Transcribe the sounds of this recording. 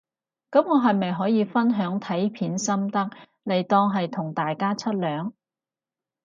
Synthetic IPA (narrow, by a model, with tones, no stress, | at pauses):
kɐ˨˥mŋɔː˨˧ɦɐ˨jmɐ˨jɦɔː˨˥jiː˨˧fɐ˥nɦœː˨˥ŋt̪ʰɐ˨˥jpʰiː˨˥nsɐ˥mt̪ɐ˥k̚ | le˨˩jt̪ɔː˧ŋɦɐ˨jt̪ʰʊ˨˩ŋt̪aː˨jkaː˥t͡sʰɐ˥t̚lœː˨˥ŋ